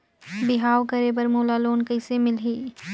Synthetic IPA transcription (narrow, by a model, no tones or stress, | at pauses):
bɪɦaːʋkəɾebəɾmoːlaloːnkɐɪsemɪlɦiː